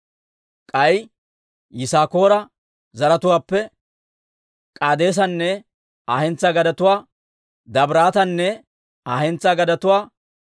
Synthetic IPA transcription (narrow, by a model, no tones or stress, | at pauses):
kʼɐj | jɪsaːko̞ːɾɐ | zɐɾɐt̪ʊwaːpːɛ | kʼaːd̪e̞ːs̬ɐnːɛ | aːhɛnt͡sːɐɡɐd̪ɐt̪ʊwaː | d̪ɐbɾaːt̪ɐnːɛ | aːhɛnt͡sːaɡɐd̪ɐt̪ʊwaː